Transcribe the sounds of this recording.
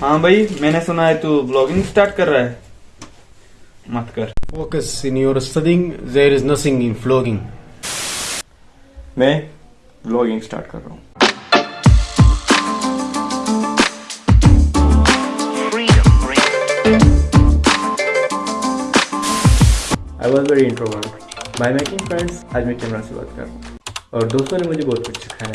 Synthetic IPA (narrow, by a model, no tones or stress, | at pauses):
hãːbʱaimɛ̃ːnesʊnaːet̪ublɔːɡɪ̃ŋɡsʈaːɾʈkəɾːaːeː | mət̪kəɾfoːkəsɪ̃njoːɾsʈɐdɪ̃ŋd̪eːɾɪznɐt̪ʰɪ̃ŋɡɪ̃nfloːɡɪ̃ŋ | mɛ̃ː | blɔːɡɪ̃ŋɡsʈa̰ːɾʈkə̰ɾa̰ɦũː | a̰ːɪʋɔːzʋɛɾiɪ̃ɳʈɾoʋəɾʈ | baɪmeːkɪ̃ŋfɾɛ̃ɳɖsaːd͡ʒmekɛːmɾaseba̰ːt̪kɐ̰ɾɔːɾd̪oːst̪õnemʊd͡ʒʱebɔːʊt̪kʊt͡ʃʃʰə̥kʰaɦɛ̃